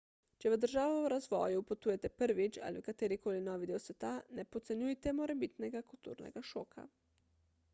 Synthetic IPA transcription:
t͡ʃɛʋəd̪əɾʒaːʋɔwɾazʋɔ̰ːjupɔt̪uːjɛt̪ɛpəɾʋit͡ʃa̰ːliwkat̪eːɾikoːlinɔːʋid̪eːwsʋɛt̪anɛpɔt̪sɛnjujt̪ɛmɔɾɛbit̪nɛɡakult̪ṵːɾnɛ̰ɡaʃoːkʰa̰

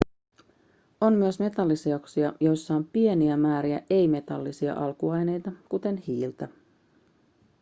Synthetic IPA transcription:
o̞mːyəsme̞t̪ɑlːiseoksiɑjo̞jsːɑompie̞niæmæːɾiæ̰ʔe̞jme̞t̪ɑlːisiɑ̰ʔɑlkuɑjne̞jt̪ɑkut̪e̞nhiːlt̪ɑ

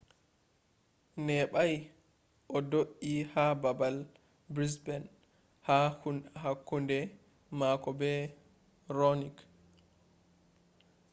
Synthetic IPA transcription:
nɛɓaj | ʔɔdoʔihababal | bɾisbɛn | hahunhakːundɛ | makɔbɛ | ronik

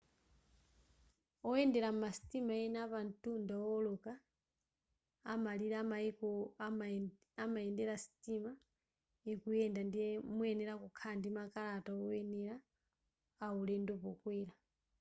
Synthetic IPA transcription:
ɔɛndɛɾamumasi̥timaɛnapantundaɔlɔka | maliɾamaikɔ | amaɛndɛɾasi̥tʼima | ikujɛndandimuɛnɛɾakukʰandimakalataɔɛnɛɾaː | ulɛndɔpɔkwiːla

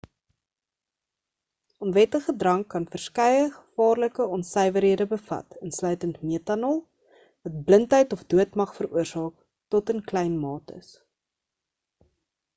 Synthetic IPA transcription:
ɔnvɛtəχədrɐŋkːɐnfərskɛjəχə̥fɑːrləkəɔnsəjvəɾɦiədəbəfɐ̰tənslœɥtəntmiətɑnɔlˠ | vɐt̚bləntɦəjtɔfduətmɐχfəruərsɑːk̚ | tɔtənklɛjnmɑːtə̰s

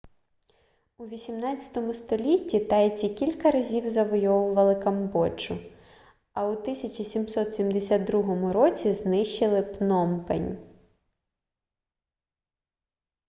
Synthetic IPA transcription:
uʋʲisʲimnɑt͡sʲɐ̥t̪ɔmʊst̪ɔlʲitʲːit̪ɑjt͡sʲikʲilʲkɐɾɐzʲiwzɐʋɔjɔʋʊʋɐlˠɪkɐmbɔt͡ʃʊ | ɐut̪ɪsʲɐt͡ʃɐsʲimsɔt̪sʲimd̪esʲad̪̚d̪ɾuɦɔmʊɾɔt͡sʲiznɪʃt͡ʃɪlˠɪpnɔmpḛnʲ

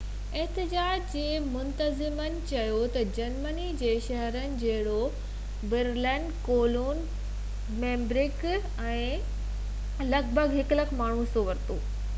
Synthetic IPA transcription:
ɛɦt̪ɪd͡ʑaːd͡ʑd͡ʑeːmʊnt̪əzɪmənɪ̆t͡ɕɐjot̪ɐd͡ʑɐɾmənid͡ʑeːʃɐɦəɾənɪ̆d͡ʑɐɦɪɽo | bɪɾlɛ̃ɳɖkoːloːn | mẽːmbɾɪk | ɛ̃ː | lɐɡbʱəɡɦɪklɐkʰmaːɳ̤ũsoʋɐɾt̪oː

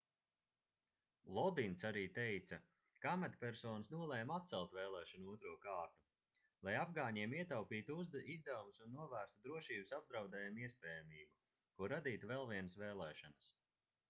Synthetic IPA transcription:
lˠɔd̪insaɾiːt̪ejt̪sɐ | kamat̪pʲɛɾsɔːnɐsnuɔlˠɛːmat̪̚t̪sɛlˠt̪vɛːlˠɛːʃanuuɔt̪ɾuɔkaːɾt̪u | lˠajavɡaːɲiɛmiɛt̪awpiːt̪izd̪ɛumusunːuɔvæːɾst̪ud̪ɾuɔʃiːbusab̚d̪ɾawd̪ɛːjamiɛspɛːjamiːbu | kuɾad̪iːt̪uvɛlˠviɛnəsvɛːlˠɛːʃanɐs

